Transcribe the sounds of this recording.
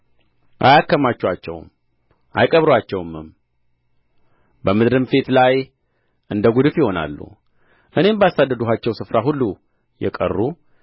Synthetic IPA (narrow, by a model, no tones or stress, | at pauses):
ʔa̰jakːəmat͡ʃːwat͡ʃːɛ̰wm | ʔa̰jkʼəβɾwat͡ʃːɛwmɨm | bəmɨd̪ɾɨmfe̞t̪laj | ʔɨnd̪əɡud̪ɨfjɪho̞na̰lːṵ | ʔɨne̞mbəasad̪ːəd̪uɦat͡ʃːɛwsɨfɾaɦulːu | jɛ̰kʼə̰rːu